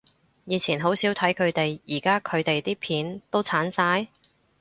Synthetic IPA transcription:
jiː˨˧t͡sʰiː˨˩nɦo˨˥wsiː˨˥wt̪ʰɐ˨˥jkʰɵ˨˧ɥt̪e˨jjiː˨˩kaː˥kʰɵ˨˧ɥt̪e˨jt̪iː˥pʰiː˨˥nt̪o˥wt͡sʰaː˨˥nsaː˧j

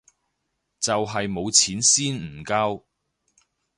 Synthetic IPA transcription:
t͡sɐ˨wɦɐ˨jmo˨˧wt͡sʰiː˨˥nsiː˥nm̩˨˩kaː˥w

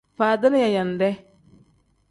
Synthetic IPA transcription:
faː˨da˦n˦ja˨ja˨n˨dɛ˦

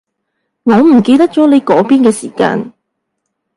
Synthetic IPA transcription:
ŋɔː˨˧m̩˨˩ke˧jt̪ɐ˥k̚t͡sɔː˨˥le˨˧jkɔː˨˥piː˥nkɛː˧sḭː˨˩ka̰ː˧n

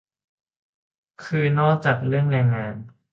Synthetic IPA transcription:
kʰɯː˧nɔː˦˥˩t͡ɕa˨˩k̚lɯ˥˩əŋlɛː˧jŋaː˧n

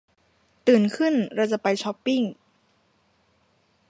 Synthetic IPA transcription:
t̪ɯː˨˩nkʰɯ˥˩nɾa˧wt͡ɕa˨˩pa˧jt͡ɕʰɔ˦˥pːi˥˩ŋ

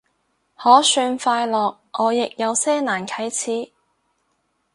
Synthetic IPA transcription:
hɔː˨˥syː˧nfaː˧jlɔː˨k̚ʔɔː˨˧jɪ˨k̚jɐ˨˧wsɛː˥naː˨˩nkʰɐ˨˥jt͡sʰiː˨˥

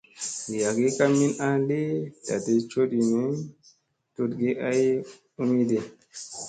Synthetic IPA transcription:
i˨ja˨ɡi˦ka˦mi˦na˦de˦da˨de˦t͡ʃo˦di˨ni˦ | to˦tɡe˦ʔa˦j | u˦mi˦de˨

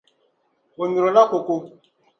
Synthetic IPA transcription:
o˨ɲu˨ɾo˨la˦ko˨ko˦

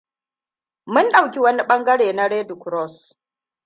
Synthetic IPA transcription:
mʊ˦nɗa˨wkʲi˦wɐ˦ni˦ɓɐ˦ŋɡɐ˦ɽeː˨na˦ɽeː˦du˨kɾɔ˦˨s

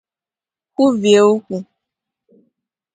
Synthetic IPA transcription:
ku˦vi˨e˦˨˦wo˦ku˨

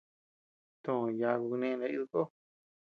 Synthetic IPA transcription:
t̪õ˨˧˨ja˧ku˧ku˧nẽ˧na˧i˦ðu˧ko˦

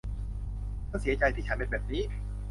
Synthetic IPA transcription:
t̪ʰaː˥˩si˨˩˦ɐt͡ɕa˧jt̪ʰiː˥˩t͡ɕʰa˦nbe˧˩bɛː˨˩p̚niː˦˥

